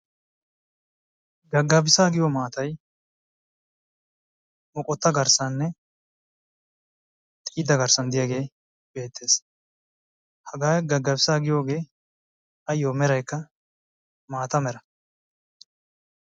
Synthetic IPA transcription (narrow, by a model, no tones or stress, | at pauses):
ɡɐɡːɐbɪsaːɡɪjomaːt̪ɐj | mɔkʼɔt̪ːɐɡɐɾsɐnːɛ | t̪ʼɪːd̪ɐɡɐɾsɐnd̪ɪjaɡe̞ː | b̥e̞ːt̪ʰːe̞ːs | hɐɡaːjɡɐɡːɐbɪsaːɡɪjo̞ːɡe̞ː | ɐjːoːmɛɾɐjkːɐ | maːt̪ɐmɛɾɐ